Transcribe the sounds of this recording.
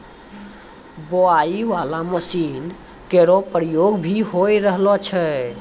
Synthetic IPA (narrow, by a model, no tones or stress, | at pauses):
boaiʋalaməsin | keɾopɾəjoɡbʱiɦojɾəɦlɔt͡ʃʰɛ